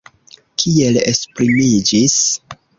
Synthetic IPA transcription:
kʰie̞lespɾimid͡ʒis

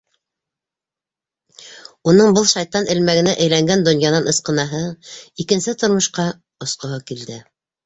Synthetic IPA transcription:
unɤɴbɤlˠʃɑjt̪ɑnʔɘ̆lmæɡɘ̆næʔæjlæŋɡænd̪ŏnjɑnɑnɤ̆sqɤ̆nɑɦɤikɘ̆nsɘt̪ŏɾmɤ̆ʃqɑ | ŏsqŏɦɤkild̪ɘ

